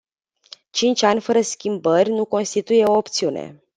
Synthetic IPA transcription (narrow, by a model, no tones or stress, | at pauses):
t͡ʃint͡ʃʲanʲfəɾəskʲimbərʲnuko̞nst̪it̪uje̞o̞opt̪siunḛ